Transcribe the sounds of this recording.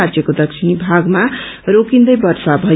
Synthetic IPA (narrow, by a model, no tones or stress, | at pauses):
aɾd͡zjʌkod̪ʌk̚t͡ʃʰinibʱaɡma | ɾokind̪ʌjbʌrsabʱʌ